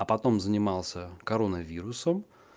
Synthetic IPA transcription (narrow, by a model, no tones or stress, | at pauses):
ɐpɐt̪o̞mzənʲɪmɑlˠsʲəkɐɾonəvʲiɾʊsəm